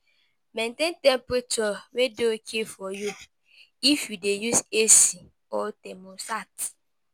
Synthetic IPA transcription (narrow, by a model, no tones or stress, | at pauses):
mẽntẽntɛ̃mpɾet͡ʃɔwedeokʰefɔjo | ifidejusesi | ɔtɛmosat